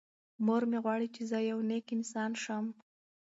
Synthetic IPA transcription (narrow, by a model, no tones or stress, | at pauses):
moɾmeɣwɑɽit͡ʃezəjawnekɪnsɑnʃəm